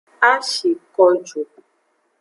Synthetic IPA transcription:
a˦ʃe˨kɔ˧d͡ʒo˨

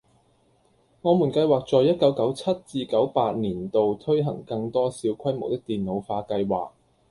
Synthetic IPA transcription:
ŋɔː˨˧muː˨˩nkɐ˧jwaː˨k̚t͡ʃɔː˨jːɐ˥t̚kɐ˨˥wkɐ˨˥wt͡sʰɐ˥t̚t͡siː˧kɐ˨˥wpaː˧t̚niː˨˩nt̪o˨wt̪ʰɵ˥jɦɐ̰˨˩ŋkɐ˧ŋt̪ɔː˥siː˨˥wkʰɐ˥jmo˨˩wt̪ɪ˥k̚t̪iː˨˩nno˨˧wfaː˧kɐ˧jwa̰ː˨k̚

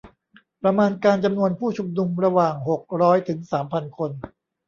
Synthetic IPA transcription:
pɾa˧maː˧nkaː˧nt͡ɕa˧mnu˧ənpʰuː˥˩t͡ɕʰu˧mnu˧mɾa˧waː˨˩ŋɦo˨˩k̚ɾɔː˦˥jt̪ʰɯ˩˦ŋsaː˩˦mpʰa˧nkʰo˧n

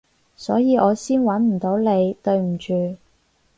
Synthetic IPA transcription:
sɔː˨˥jiː˨˧ʔɔː˨˧siː˥nwɐ˨˥nm̩˨˩t̪o˨˥wle˨˧jt̪ɵ˧ɥm̩˨˩t͡ʃyː˨

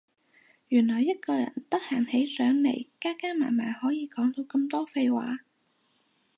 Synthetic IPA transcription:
jyː˨˩nlɔː˨˩jːɐ˥t̚kɔː˧jɐ̰˨˩nt̪ɐ˥k̚haː˨˩nhe˨˥jsœː˨˥ŋlḛ˨˩jkaː˥kaː˥ma̰ː˨˩nmaː˨˩nhɔː˨˥jiː˨˧kɔː˨˥ŋt̪o˧wkɐ˧mt̪ɔː˥fe˧jwa̰ː˨˥

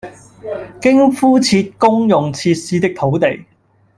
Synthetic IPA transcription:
kɪ˥ŋfuː˥t͡sʰiː˧t̚kʊ˥ŋjʊ˨ŋt͡sʰiː˧t̚siː˧˥t̪ɪ˥k̚t̪ʰo˨˥wt̪e˨˩j

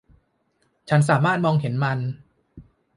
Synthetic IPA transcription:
t͡ɕʰa˦˥ns̬aː˨˩˦maː˥˩t̪̚mɔː˧ŋhe˩˦nma˧n

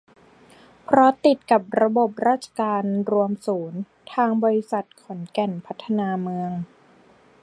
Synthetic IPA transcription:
pʰɾɔ˦˥t̪i˨˩t̪̚ka˨˩p̚ɾa˧bo˨˩p̚ɾaː˥˩t̪̚t͡ɕʰḁ˧kaː˧nɾu˧əmsuː˩˦n | t̪ʰaː˧ŋbɔː˧ɾi˧˥sa˨˩t̪̚kʰɔ˩˦nkɛ˨˩npʰa˦˥t̪ʰːa˧naː˧mɯ˧əŋ

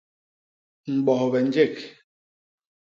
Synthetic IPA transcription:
ŋ͡m̩˨ɓɔ˨hɔ˨bɛ˨n̩˦d͡ʒe˦˨k

